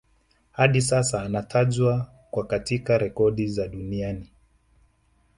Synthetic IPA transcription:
haɗisasaːnatʰaʄwa | kwakatikaɾɛkɔɗizaɗuniani

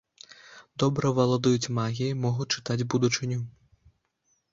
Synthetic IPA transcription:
d̪ɔbɾɐvɐlˠɐd̪ujut͡sʲmaɣʲijɐmɔɣut͡ʂɨ̥t̪ad͡zʲbud̪ut͡ʂɨnʲu

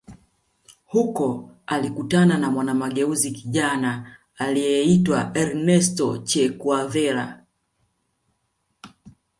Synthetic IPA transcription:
hukɔalikutananamwanamaɠɛuzikiʄanaː | lijɛɛitwaɛɾnɛstɔt͡ʃɛkuavɛla

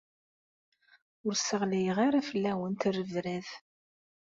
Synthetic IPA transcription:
ʊɾsəʁlæjəʁaɾafəlːæwənt̪ərːəvɾæð

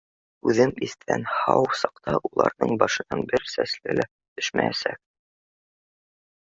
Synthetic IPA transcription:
ʉðɘmist̪æ̰nhɑwsɑqt̪ɑʔulˠɑ̰ɾnɤɴbɒʃɤ̆nɑnbɘɾsæslɘlæ | t̪ɵ̥ʃmæ̰jæsæk̚

